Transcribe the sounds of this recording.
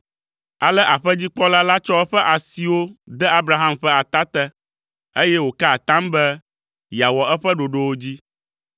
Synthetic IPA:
a˨lɛ˦ʔa˨ɸɛ˦d͡ʑi˦k͡pɔ˦la˦la˦t͡ʃɔ˦ɛ˦ɸɛ˦ʔa˨si˨wo˦d̪ɛ˦a˦bɾa˨ɦã˦mɸɛ˦a˨t̪a˦t̪ɛ˦ | e˦jɛ˦wo˨ka˦˨t̪ã˦mbɛ˦ | ja˨wɔ˨ɛ˦ɸɛ˦ɖo˨ɖo˦wo˦d͡ʑi˦

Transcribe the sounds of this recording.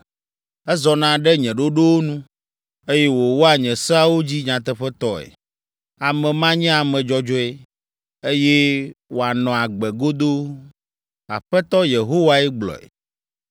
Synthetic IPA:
ɛ˦zɔ˨nã˦ɖɛ˦ɲɛ̃˨ɖo˦ɖo˦wo˦nũ˦ | e˦jɛ˦wo˨wo˦a˨ɲɛ̃˨sɛ˦a˦wo˦d͡ʑi˦ɲã˨t̪ɛ˦ɸɛ˦t̪ɔ˦ɛ̰˨ | a˨mɛ̃˨mã˦ɲɛ̃˦a˨mɛ̃˨d͡ʒɔ˦d͡ʒɔ˦ɛ˦ | e˦je˦wo˨a˨nɔ̃˨a˨ɡ͡bɛ˨ɡo˦d̪o˦ | a̰˨ɸɛ˦t̪ɔ˦je˨ɦo˦wa˦ɛ˦ɡ͡blɔ̰˨ɛ̰˨

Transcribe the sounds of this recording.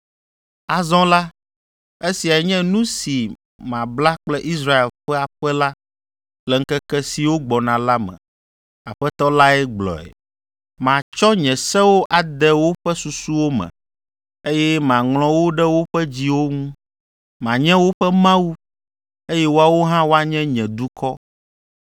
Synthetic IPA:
a˨zɔ̃˦la˦ | e˦si˨a˨ɛ˨ɲɛ̃˦nũ˦si˨ | mã˨bla˦k͡plɛ˦ʔi˦s̬ɾa˦e˨lɸɛ˦a˨ɸɛ˦la˦ | lɛ˨ŋ̩˦kɛ˦kɛ˦si˨wo˦ɡ͡bɔ˨nã˨la˦mɛ̰̃˨ | a˨ɸɛ˦t̪ɔ˦la˦ɛ˦ɡ͡blɔ̰˨ɛ̰˨ | mã˨t͡ʃɔ˦ɲɛ̃˨sɛ˦wo˦ʔa˨d̪ɛ˦wo˦ɸɛ˦su˨su˦wo˦mɛ̰̃˨ | e˦jɛ˦mã˨ŋl̃ɔ̃˨wo˦ɖɛ˦wo˦ɸɛ˦d͡ʑi˦wo˦ŋũ˦ | mã˨ɲɛ̃˦wo˦ɸɛ˦mã˦wu˦ | e˦jɛ˦wo˦a˨wo˦ɦã˦wo˦a˨ɲɛ̃˦ɲɛ̃˨d̪u˦kʰɔ˦

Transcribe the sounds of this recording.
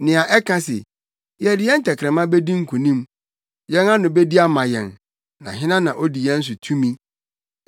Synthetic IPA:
nɪ̃˨a˨ʔɛ˦kʰã˦sɛ̰˨ | jɛ˨dɪ˨˦jɛ˦n̩˦tʰɛ˨kʰɾɛ̃˨mã˦be˦dĩ˦ŋ̩˦kʰu˨nĩ˦m | jɛ̃˦ŋã˦nʊ̃˨be˦di˦a˦mã˨jɛ̰̃˨n | nã̰˨ɦɪ̃˦nã˦nã˨ʔo˦di˨jɛ˦n̩˦s̬ʊ˨tʰũ˦mĩ˦

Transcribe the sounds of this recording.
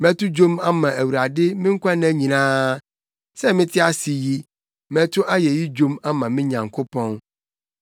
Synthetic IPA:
mɛ̃˦tʊ˦d͡ʑo˦ma˦mã˨ʔæ˨wu˨ɾa˨dɪ˦mɪ̃˦ŋ̩˦kʷʰa˦nɛ˦ɲĩ˨nãː˦ | sɛ˦mɪ̃˦tʰɪ˦a˦si˨ji˦ | mɛ̃˦tʰʊ˦ʔa˦jɛ˨ji˦d͡ʑo˦ma˦mã˨mɪ̃˦ɲã˨ŋkʰo˦pʰɔ̃˦n

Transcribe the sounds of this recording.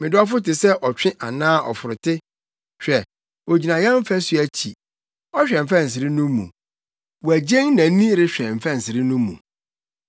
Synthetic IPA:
mɪ̃˨dɪ˦ɔ˦fʊ˦tɪ˨sɛ˦ʔɔ˨t͡ɕᶣɪ̃˦ʔa˨nãː˦ʔɔ̰˨fʊ˨ɾʊ˨tɪ˦ | ɕᶣɛ˨ | wo˨d͡ʑi˨nã˨jɛ̃˦m˦fæ˦sɥæ˨t͡ɕʰi˨ | ɔ˦ɕᶣɾɛ̃˨m˨fɛ̃˦n̩˨s̬ɪ˨ɾɪ˦nʊ̃˦mṵ̃˨ | wɔ˨æ˨d͡ʑɛ̃˦ŋnã˨˦nĩ˦ɾɪ˦ɕᶣɾɛ̃˨m̩˨fɛ̃˦n̩˨sɪ˨ɾɪ˦nʊ̃˦mːṵ̃˨

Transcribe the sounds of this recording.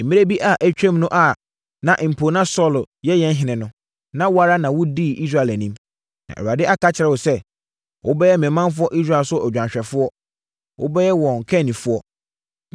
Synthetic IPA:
m̩˨ĩ˦ɾe˦bi˦ʔa˨ʔæ˦t͡ɕᶣɛ̃˦mnʊ̃˦ʔa˨ | nã˨ʔm̩˨pʰo˨nã˦sɔ˦˨l | jɛ˦jɛ̃˦n˦ɦɪ̃˨nɪ̃˨nʊ̃˦ | nã˦wʊ˦a˦˨ɾa˦nã˨wʊ˦diː˦˨ʔi˦s̬a˦˨æ˨nĩ˦m | nã̰˨ʔɛ˨wa˨dɪ˦ʔa˦kʰa˦t͡ɕʰɪ˨ɾɛ˨wʊ˨sɛ˦ | wʔʊ˦bɛ˦jɛ˦mɛ̃˨˦mã˦n˦fʊ˦ɔ˦ʔi˦s̬ɾa˨lsʊ˦ɔ˦˨æ˨d͡ʑᶣã˨ɲɕᶣɛ˨fʊ˦ɔ˦ | wʔʊ̰˦bɛ˦jɛ˦wɔ̃˨ŋ̩˨kʰɛ̃˦˨nːĩ˨fʊ˦ɔ˦

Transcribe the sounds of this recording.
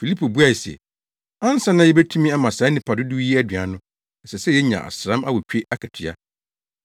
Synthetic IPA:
fi˨li˦pʰo˨bu˦a˦˨sɛ̰˨ | ã˦n˦sã˦nã˦jɛ˦bɛ˦tʰũ˦mĩ˦a˦mã˨sa˨˦nĩ˨pʰa˨dʊ˦du˦i˦æ˦dɥa˨nʊ̃˦ | n̩˨sɛ˨sɛ˦jɛ˦ɲã̰˨ʔa̰˨sɾã˦ma˦wɔ˨t͡ɕᶣe˦ʔa˦kʰa˨tʰɪ˨a̰˦

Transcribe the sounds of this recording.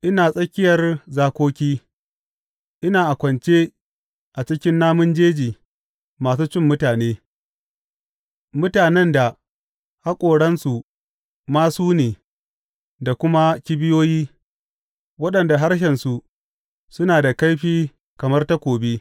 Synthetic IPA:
ʔɪ˦naː˨sʼɐ˦kʲɪ˦jɐ˨rzaː˨kʷoː˦kʲiː˦ | ʔɪ˦naː˨ʔa˨kʷɐ˨nt͡ʃeː˦ | ʔa˨t͡ʃɪ˦kʲɪ˦nːaː˦mʊ˦nd͡ʒeː˦d͡ʒiː˨ | maː˨s̬uː˦t͡ʃɪ˦˨mːʊ˦taː˨neː˦ | mʊ˦taː˨nɛ˦nda˨ | ha˦kʷʼoː˨ɽɐ˦nsu˨ | maː˦suː˦neː˨ | da˨kʷʊ˦ma˦kʲɪ˦bɪ˦joː˦jiː˦ | wɐ˦ɗɐ˨nda˨ɦa˦rʃ̬ɛ˨nsu˨ | sʊ˦naː˨da˨ka˦jɸiː˦ | kɐ˨mɐ˦rta˦kʷoː˨biː˦

